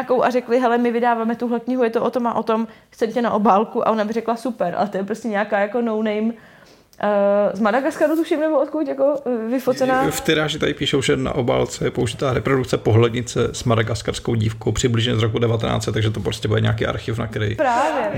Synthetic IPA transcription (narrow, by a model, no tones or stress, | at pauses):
akowʔaɾɛklɪɦɛlɛmɪvɪdaːvaːmɛt̪uɦlɛkɲɪɦujɛt̪oʔot̪o̞maʔo̞t̪o̞m | t͡sɛmcɛnaʔo̞baːlkuʔa̰ʔo̞nabɪrɛklasupɛɾʔa̰lɛt̪ojɛpɾoscɛɲɛakaːjako̞nownejmː | zmadaɡaskaɾut̪uʃɪmnɛboot̪kucjakovɪfot͡sɛnaːft̪ɪɾaːʒɪt̪adɪpiːʃowʒɛna̰ʔoba̰ːlt͡sɛjɛpouʒɪt̪aːɾɛpɾodukt͡sɛpoɦlɛdɲɪt͡sɛsmadaɡaskaɾskowɟiːfkowpr̥ɪblɪʒɲɛzɾokudɛvat̪ɛna̰ːt͡sɛt̪aɡʒɛt̪opɾoscɛbudɛ̰ɲɛ̰akiːʔa̰ɾxɪfna̰kɛɾɛ̰jpɾaːvjɛ